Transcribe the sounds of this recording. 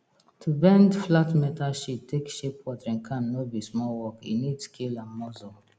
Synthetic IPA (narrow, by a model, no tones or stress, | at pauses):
tʰubɛ̃ndflatmɛtaʃitʰːekʃepwɔtɹĩnkʰãnːobismɔwɔkḭnidskʰilãnmɔzɔ